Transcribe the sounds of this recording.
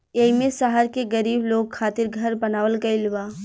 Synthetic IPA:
eːimẽsaɦəɾkeɡɐɾiːbloːɡ̚kʰaːt̪ɪɾɡʱɐɾbɐnaːʋəlkɐɪlʋaː

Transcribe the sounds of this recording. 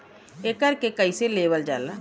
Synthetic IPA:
ekəɾkekəiseleːʋəld͡ʒaːla

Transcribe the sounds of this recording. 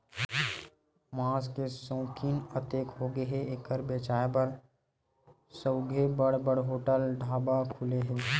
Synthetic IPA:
mãːskesõːkinət̪eːkɦoɡəɦeeːkːəɾbeːt͡ʃaːebəɾ | səʊɡʱebəɽbəɽɦoːʈəlɖʱaːbakʰʊleɦɛː

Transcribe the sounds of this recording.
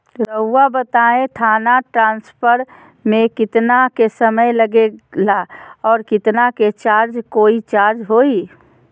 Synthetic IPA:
ɾəɦuwabət̪aẽt̪ʰaːnaʈɾãːnspʰəɾ | mẽkɪt̪nakesəməjləɡelaɔːɾkɪt̪naket͡ʃaːɾd͡ʒkoːit͡ʃaːɾd͡ʒɦoi

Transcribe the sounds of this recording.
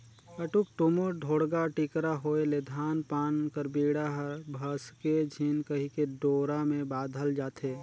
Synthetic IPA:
əʈuk̚ʈomoɖʱoːɽɡaʈikɾaɦoːeled̪ʱaːnpaːnkəɾbiːɽaɦbʱəsked͡ʒʱiːnkəɦikeɖoːɾamẽbaːd̪ʱəld͡ʒaːt̪ʰeː

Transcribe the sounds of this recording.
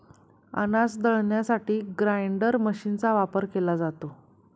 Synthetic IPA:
ə̰nasd̪əɭɳjasaʈiːɡɾajɳɖəɾməɕint͡saʋapəɾkelad͡zat̪o

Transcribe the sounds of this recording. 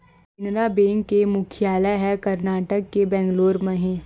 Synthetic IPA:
ɪnɾabẽːŋkːemʊkʰjaːləɦɛkɐɾnaːʈəkːebɛ̃ːŋɡloːɾmə̃ɦẽ

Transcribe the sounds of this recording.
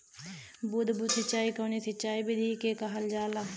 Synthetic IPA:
bud̪bʊd̪sət͡ʃːaːiːkəːniːsət͡ʃaːiːbɪd̪iːkeːkaɦəld͡ʒaːlaː

